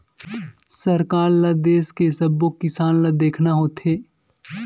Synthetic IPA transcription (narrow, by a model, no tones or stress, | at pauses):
sɐɾkaːɾlad̪eːskesɐbːokːɪsaːnlad̪eːkʰnaɦoːt̪ʰeː